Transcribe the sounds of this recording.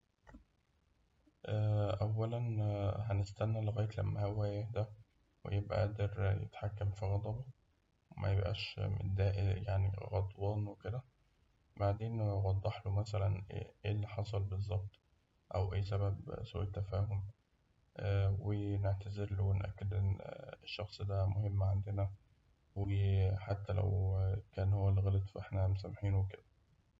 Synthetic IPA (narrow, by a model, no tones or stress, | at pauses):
ʔæːʔæwːælænhænest̪ænːæleɣæːjet̪læ̰mːæhæwːæːjeħd̪æ | wḛjebʔæ̰ʔæːd̪eɾjḛt̪ħakːæmfiɣɑd̪ˤɑbɑ | wmʔæ̰jebʔæ̰ːʃmḛd̪æːʔjaʕnḭɣɑd̪ˤwɑːnweked̪æ | baʕd̪eːnwɑd̪ˤːɑħlomæsælæn̰ʔelːiħɑsˤɑlbezˤːɑb̚t̪ˤ | ʔæwʔæjːsæbæbso̰ːʔet̪ːæfæːhom | ʔweneʕt̪æzeɾlowenʔæ̰kːed̪ʔenːeʃːɑxsˤd̪æmohemːʕand̪enæ | weħat̪ːælæ̰wkæːnhowːælːiɣælet̪ˤfʔeħnæmosæmːħiːnweked̪æ